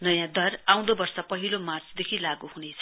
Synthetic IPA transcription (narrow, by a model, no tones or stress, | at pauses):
nʌjãd̪ʌraw̃d̪obʌrsʌpʌɦilomart͡sd̪ekʰilaɡuɦunet͡sʰʌ̥